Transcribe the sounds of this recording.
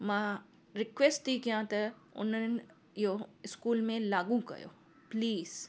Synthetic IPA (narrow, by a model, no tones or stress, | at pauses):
mã | ɾɪkʋeːsʈt̪ikijãt̪ə | ʊ̰nən | joɪskuːlmẽlaːɡũkɐ̰jo̰ː | pliːz